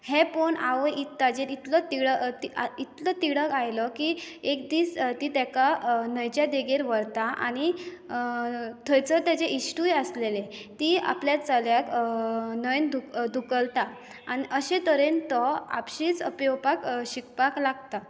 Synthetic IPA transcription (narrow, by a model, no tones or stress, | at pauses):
hepoɳaʋəʔit̪ːad͡ʑeɾit̪lɔt̪iɽəiit̪lɔt̪iɽəkajlɔkiekd̪iːst̪it̪akanəjt͡ɕjad̪eɡeɾʋəɽt̪aʔa̰ɽ̃i | t̪ʰəjt͡sət̪jat͡ɕeʔisʈujəslelet̪ia̰pljat̪d͡zaljak | nəjnd̪ʱukd̪ʱukəlt̪aː | ñiʔəɕẽt̪əɾent̪ɔa̰pɕit͡səpjɔpakɕikpaklaɡt̪a